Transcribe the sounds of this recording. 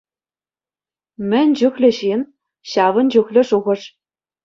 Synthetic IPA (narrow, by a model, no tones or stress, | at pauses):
mʲɘ̆nʲd͡ʑuxlʲɘ̆ɕin | ɕɑʋɤ̆nd͡ʑuxlʲɘ̆ʂuʁɤ̆ʂ